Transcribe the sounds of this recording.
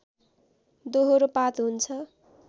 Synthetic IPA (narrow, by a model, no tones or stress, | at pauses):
d̪oɦoɾopat̪ɦunt͡sʰʌ